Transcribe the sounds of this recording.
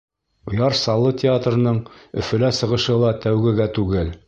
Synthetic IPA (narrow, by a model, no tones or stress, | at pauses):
ŏjɑɾsɑlˠːɤt̪ʲɪat̪rɤ̆nɤɴɵ̆fɘ̆læsɤ̆ʁɤ̆ʃɤlˠɑt̪æwɡɘ̆ɡæt̪ʉɡɘl